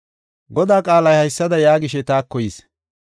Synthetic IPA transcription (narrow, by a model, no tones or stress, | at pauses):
ɡɔd̪aːkʼaːlɐjhɐjsːɐd̪ɐjaːɡɪʃɛt̪aːkːɔjiːs